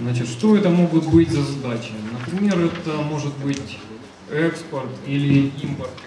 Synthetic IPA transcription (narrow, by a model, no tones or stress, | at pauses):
znat͡ɕɪt̪ʂt̪o̞ɛt̪əmo̞ɡʊt̪bɨtʲzɐzɐd̪at͡ɕɪnəpɾʲɪmʲe̞ɾɛt̪əmo̞ʐɨt̪̚bɨtʲ | ɛkspərt̪ilʲɪimpərk̪